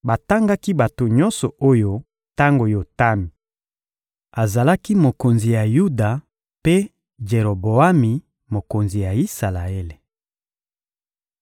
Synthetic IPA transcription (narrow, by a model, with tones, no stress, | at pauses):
ba˨ta˦ŋɡa˦ki˦ba˨to˨ɲɔ˦nsɔ˨o˦jo˦ | ta˦ŋɡo˨jo˨ta˦mi˨ | a˨za˨la˦ki˦mo˨ko˨nzi˨ja˨ju˦da˨ | pe˦ | d͡ʒe˨ʁo˨bo˨a˦mi˨ | mo˨ko˨nzi˨ja˨i˦sa˨la˨e˦le˨